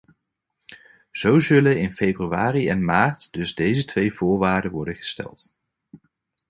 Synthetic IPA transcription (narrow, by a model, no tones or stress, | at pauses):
z̥owzɵlənɪnfejbryaːriɛnmaːɹtd̥ɵzdejzətʋejvʊːɹʋaːɹdəʋɔɹdənχə̥stɛ̰lˠt